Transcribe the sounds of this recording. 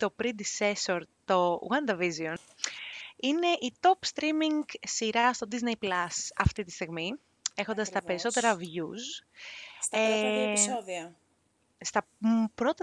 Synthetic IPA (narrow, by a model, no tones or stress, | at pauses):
t̪o̞pɾid̪ise̞soɾt̪o̞ṵɣɐnd̪ɐvizion | ine̞ʔit̪o̞pst̪ɾimiŋɡsiɾɐst̪o̞d̪iznejplɐsɐft̪it̪i̥st̪iɣmi | e̞xond̪ɐst̪ɐpe̞ɾiso̞t̪e̞ɾɐvʝus | esoðiɐ | st̪ɐpɾo̞t̪ɐ